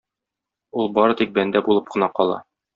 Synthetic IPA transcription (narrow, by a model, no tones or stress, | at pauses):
ulˠbɒɾɤt̪ik̚bænd̪æbulˠɤp̚qɤ̆nɑqɒlˠɑ̰